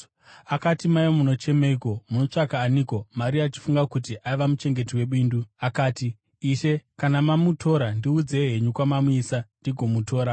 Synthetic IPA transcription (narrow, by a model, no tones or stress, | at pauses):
akatimajomuno̞t͡ʃe̞meiko̞muno̞t͡ʂakaːniko̞maɾiat͡ʃi̥fuŋɡakutiʔaiʋamut͡ʃe̞ŋɡe̞tiwe̞ɓiːnduakaːtiː | ʃe̞kanamamutʰo̞ɾandiud͡ze̞ɦe̞ɲukwamamuiːsandiɡʱo̞mutʰo̞ːɾa